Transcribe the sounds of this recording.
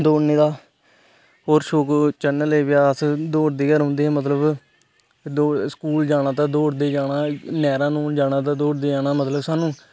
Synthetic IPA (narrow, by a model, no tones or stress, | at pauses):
d̪oːɽneːd̪aː | ɦoːɾʃoːkt͡ʃənːəleːʋɪjaːəsd̪oːɽd̪eːɡəɾɦõːnd̪eːɛ̃ːmət̪ləb | d̪oːskuːld͡ʒaːɽ̃aːt̪ãːd̪oːɽd̪eːd͡ʒaːɽaːnɛːɾãːnũːd͡ʒaːɽ̃ãːt̪̬ãːd̪oːɽd̪eːd͡ʒaːnaːmət̪ləbsaːnũː